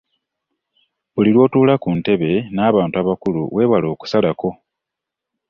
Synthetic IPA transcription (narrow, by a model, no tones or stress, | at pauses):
βulilwo̞ːtuːlakunte̞βe̞naːβaːntuaβakulṵwe̞ːβwalo̞ːku̥salako̞